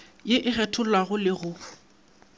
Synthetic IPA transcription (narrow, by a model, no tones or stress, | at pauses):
jɪʔɪɣɛtʰʊlwaɣʊlɪɣʊ